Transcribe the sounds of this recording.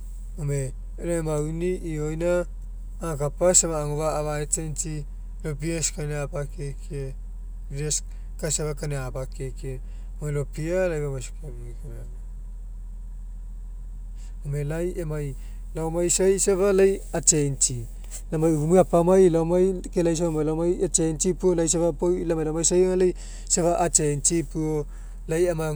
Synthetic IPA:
ome | loemawniʔiojnaː | kapasamaːŋoβaːβaet͡ʃent͡ʃi | lobiaskaneapakeke | ɾes | kasaβakaneabakeke | omelopialajβamasi̥komŋikoa | omelajemaj | lawmajsajsaβalajat͡ʃent͡ʃi | lamajumiapamajlawmajkelajs̬aβmajlamajat͡ʃent͡ʃipuolajs̬aβapojlamajlamajsajŋalaj | saβaʔːt͡ʃejnt͡ʃipuo | lajama

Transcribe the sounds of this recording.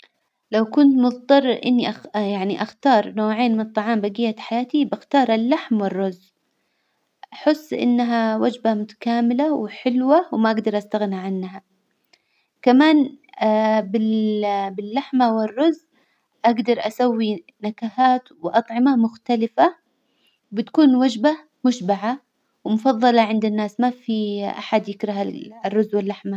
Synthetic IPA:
lawkʊnt̪mʊðt̪ˤɑrˤːɪɾʔɪ̰nːiʔajaʕniʔaxt̪ɑːɾˤnoːʕeːnmɪnɨt̪ˤːɑʕɑːmbaɡiːjːat̪ħajaːt̪ibaxt̪ɑːɾˤalːaħmwɪrːʊz | ʔaħɪsːʔɪ̰nːaɦawad͡ʒbamʊt̪ḁkaːmɪlawɪħɪlwawmaʔaɡd̪ɑɾˤʔast̪aɣniʕanːɦa | kamaːn | bɪbɪlːaħmawɪrːʊzː | ʔaɡd̪ɑɾˤʔasawːi | nakahaːt̪wɪʔɑt̪ˤʕɪmamʊxt̪alɪfa | bɪt̪kuːnwad͡ʒba | mʊʃbaʕa | wmʊfɑðˤːɑlɑʕɪnd̪ɪnːaːsmafiʔa̰ħad̪jɪkɾɑɦarːʊzːwɪlːaħma

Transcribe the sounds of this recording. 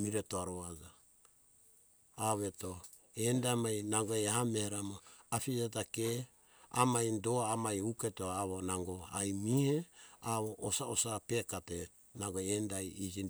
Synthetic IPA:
miɾetoaɾoad͡ʒa | βe̞to | endamajnaŋɡoeahameheɾamoapid͡ʒatake | a̰majndoamajuketoaβonaŋɡo̞ajmiheaβoʔːsaosape̞kate | naŋɡoendajid͡ʒi

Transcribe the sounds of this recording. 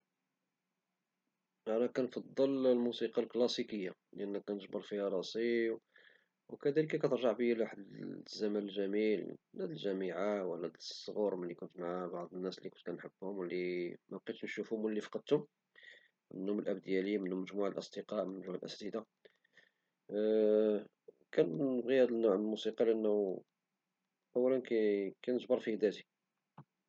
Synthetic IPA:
ʔænækænfɑd̪ˤːəllmusiqɑlklɑsikəjːalʔænːækænəʒbɑɾˤfihæɾˤɑsˤiw | wkæd̪æləkːækæt̪əɾˤʒɑʕbəjælwaħəd̪zːæmænəlʒæmilnæd̪əlʒæmiʕawnæd̪əsˤːɣuɾməlːikʊnt̪maʕabɑʕd̪ˤənːæslːikʊnt̪kænħəbːhʊmwəlːimæb̚qit̪nʃufhʊmwlːifɑ̥qɑd̪̚t̪ʊm | mənːʊməlʔæb̚d̪jælimənhʊmːəʒmuʕalʔɑ̰sˤd̪əqɑʔmənʒuʕalʔæ̰st̪id̪a | kænːəbɣihæd̪ənːuʕməlmusiqɑliʔənː | ʔæwːælənkækænəʒbɑɾˤfihd̪æt̪i

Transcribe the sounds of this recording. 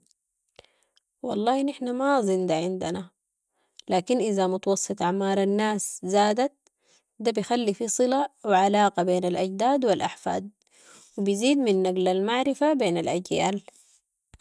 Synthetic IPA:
wɑ̰lˤːɑːnɪħnamazˤind̪aʕɪnd̪ana | laːkinʔizamʊt̪ɑwɑsˤːɨt̪ˤʔaʕmɑːɾˤanːaːszaːd̪at̪̚ | d̪abijxalːifisˤɨlawɪʕalaːqɑbeːnalʔaɟd̪aːd̪wilʔaħfa̰ːd̪̚ | wibiziːd̪minːaɡlalmaʕɾɪfabeːnalʔaɟjaːl

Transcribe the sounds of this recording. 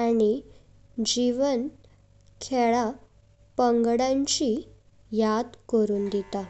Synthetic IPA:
añi | d͡ʑiʋən | kʰɛɭa | pəŋɡɽãɲt͡ɕi | jad̪kəɾuːnd̪it̪a

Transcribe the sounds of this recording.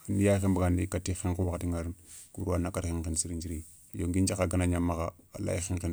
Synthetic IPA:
anijaxibaɡanikatːixinkuwaktiŋaɾnkuɾanakaɾxinkinsiɾind͡ʒiɾi | joŋɡind͡ʒakaɡanaɲamːakaa̰la̰j̰xinkin

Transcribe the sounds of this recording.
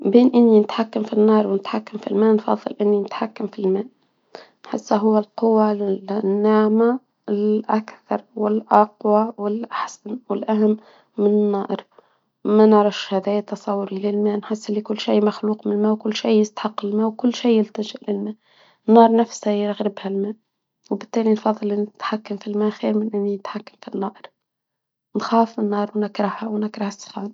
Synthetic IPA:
beːnʔɪnːinɪt̪ħakːamfinːɑːɾˤwnɪt̪ħakːamfilmæːʔnfɑ̰ðˤːɨ̰lʔɪnːinɪt̪ħakːamfilmæːʔ | nħɪsːaɦʊwːalqʊwːanːaʕma | ɪlʔakθɑɾˤwɪlʔɑqwawɪlʔaħsanwɪlʔaɦamː | mɪnɪnːɑːʔɾ | manɪʕɾɪfʃhæːd̪æːt̪ːɑsˤɑwːʊɾilɪlmæːnħɪsːɪlːikʊlːʃiːmaxluːqmɪnɪlmæːwkʊlːʃiːjɪst̪ħɑqːɪlmæːwkʊlːʃiːjɪlt̪aʒɪʔlɪlmæːʔ | nːɑːɾˤnafsajɾɣɾɪbhalmæːʔ | wbɪt̪ːæːlinfɑðˤːɨlʔɪnɪt̪ħakːamfilmæːʔxiːɾmɪnʔɪnːinɪt̪ħakːamfinːɑːʔɾ | nxaːfɪnːɑːɾˤwnɪkɾˤɑhawnɪkɾɑhasˤːxɑːn

